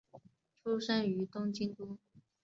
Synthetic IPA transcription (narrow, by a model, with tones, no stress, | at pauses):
ʈ͡ʂʰu˥ʂa˥ny˧˥t̪ʊ˥ŋt͡ɕi˥ŋt̪u˥